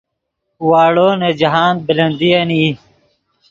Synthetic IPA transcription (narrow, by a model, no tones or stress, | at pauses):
waːɽoːned͡ʑɐɦaːn̚bilɐnd̪iɐniː